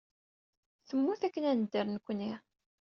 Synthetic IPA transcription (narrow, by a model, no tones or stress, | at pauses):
θəmːuθækːənænəd̪ːəɾnkʷːənːi